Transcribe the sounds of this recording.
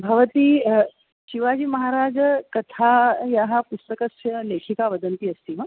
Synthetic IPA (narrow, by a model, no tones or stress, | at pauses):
bʱɐʋət̪iː | ɕiʋad͡ʑiːmɐɦaɾad͡ʒkɐt̪ʰajaɦapust̪əkəsleːkʰikaʋəd̪ənt̪iːɐst̪iːmə